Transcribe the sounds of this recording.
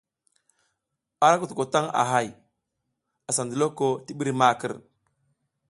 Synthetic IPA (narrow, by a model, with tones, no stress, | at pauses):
a˦ɾa˦ku˨tu˨ko˨ta˦ŋa̰˨ɦa˦j | a˨sa˨ndə˨lo˦ko˦ti˦ɓi˦ɾi˦ma˦kə˨ɾ